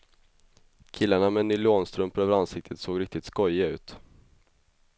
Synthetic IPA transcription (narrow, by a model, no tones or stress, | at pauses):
kʰɪlːaɳamɛnyːloːnst̪ɾɵmpəɾøːvəɾansɪk̚t̪ʰət̪soːɡɾɪk̚t̪ɪt̪skɔjːaʉ̟̰ːt̪